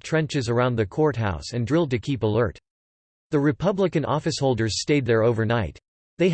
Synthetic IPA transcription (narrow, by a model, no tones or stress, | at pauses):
tʰɹ̥ɛ̃nt͡ʃɨzə˞ãʊ̃nðɨkʰɔɹt̚ɦaʊsɨ̃ndɹɪlˠd̚tɨkʰipəlɜ˞t̪̚ | ðɨɹɨpʰʌbləkɨ̃nʔɔ̰fɨshoʊlˠdə˞z̥steɪd̪̚ðə˞oʊvə˞naɪt̪̚ | ðeɪ